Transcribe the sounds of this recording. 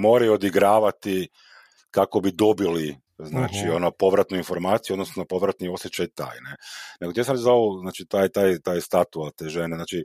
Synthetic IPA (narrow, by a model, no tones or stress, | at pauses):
mo̞ːɾajuod̪iɡɾaːʋat̪i | kako̞bid̪o̞bili | znaːt͡ʃio̞nopo̞ʋɾat̪nuinfo̞ɾmaːt̪sijuod̪nosnopo̞ʋɾat̪nio̞sjet͡ʃajt̪a̰ːjnene̞ɡot̪iasamɾezaoznaːt͡ʃit̪aːjt̪aːjt̪aːjst̪at̪uat̪eːʒeneznaːt͡ʃi